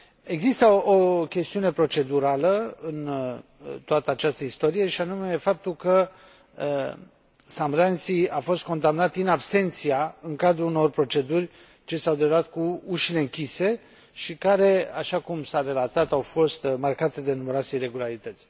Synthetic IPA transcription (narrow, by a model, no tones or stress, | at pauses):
e̞ɡzist̪əokʲe̞st̪iune̞pɾo̞t͡ʃe̞d̪uɾaləɨn | t̪oat̪əat͡ʃast̪əist̪o̞ɾije̞ʃianume̞fap̚t̪ulkə | samɾant̪siafo̞st̪̚ko̞nd̪amnat̪ɨnabse̞nt̪sijaɨŋkad̪ɾuuno̞rpɾo̞t͡ʃe̞d̪urʲ | t͡ʃe̞sawd̪evuat̪̚kuuʃile̞ɨŋkʲise̞ | ʃikaɾe̞aʃakumsaɾe̞lat̪at̪awfo̞st̪markat̪e̞d̪e̞numeɾat̪sejɾe̞ɡulaɾit̪ət̪sʲ